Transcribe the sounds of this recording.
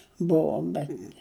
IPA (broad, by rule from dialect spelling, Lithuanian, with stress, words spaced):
ˈbʊʋoːm bʲɛt